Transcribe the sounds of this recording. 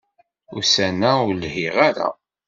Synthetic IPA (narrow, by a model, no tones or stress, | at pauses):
ʊsænæʊɾlhiʁaɾa̰